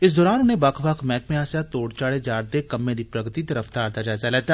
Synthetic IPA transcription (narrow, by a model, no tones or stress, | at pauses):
ɪs̬d̪ɔːɾaːnʊnẽːbakʰbakʰmɛːkmẽaːsaːt̪oːɽt͡ʃaːɽeːd͡ʒaːɾd̪eːkəmːẽːd̪iːpɾəɡt̪iːt̪əɾəft̪aːɾt̪aːd͡ʒaːzaːlɛːt̪aː